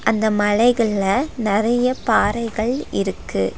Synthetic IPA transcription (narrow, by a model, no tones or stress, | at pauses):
ʔɐnd̪ɐmɐɭɐɪɣɐɭlɐnɪrɐjɐpaːɾɐɪɣɐɭɪ̰ɾɯkːɯ̰